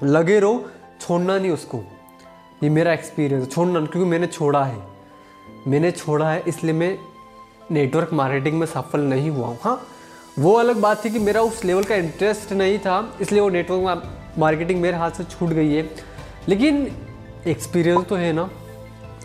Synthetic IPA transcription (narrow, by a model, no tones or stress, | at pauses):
lɐɡeɾoː | t͡ʃʰoːɽnanɐɦĩʊsko | jemeːɾaekspiːɾijə̃nsɛt͡ʃʰoːɽnakjõːkimɛ̃ːnet͡ʃʰoːɽaɦɛ̰ː | mɛ̃ːnet͡ʃʰoːɽaɦɛʔɪsliemẽ | neːʈʋəɾkmaːɾkeːʈ̬ɪ̃ŋɡmẽsɐfəlnɐɦĩɦua̰ɦũhãː | ʋoɐləɡ̚baːt̪t̪ːʰik̬imeːɾaʊsleːʋəlkaɪ̃ɳʈɾesʈnɐɦĩt̪ʰaɪslieʋoneːʈʋəɾke | maːɾkeʈɪ̃ŋɡmeːɾeɦaːt̪ʰset͡ʃʰuːʈɡɐiɦɛː | leːk̬ɪn | ekspiːɾijə̃nst̪oɦɛnaː